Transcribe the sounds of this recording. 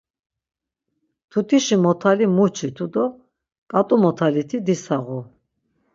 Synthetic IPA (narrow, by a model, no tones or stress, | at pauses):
t̪ʰut̪ʰiʃimɔt̪ʰalimut͡ʃʰit̪ʰud̪ɔ | kʼat̪ʼumɔt̪ʰalit̪ʰid̪isaʁu